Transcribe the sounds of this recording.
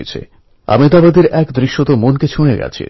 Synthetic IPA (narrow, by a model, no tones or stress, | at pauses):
et͡ɕʰḛ | a̰mid̪abad̪eɾɛkd̪ɾiʃːot̪omonket͡ɕʰuneɡa̰t͡ɕʰḭ